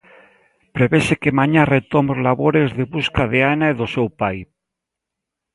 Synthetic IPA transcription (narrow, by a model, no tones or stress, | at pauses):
pɾeβesekemaɲaret̪omolaβoɾezðeβuskaðeanaiðosewpaj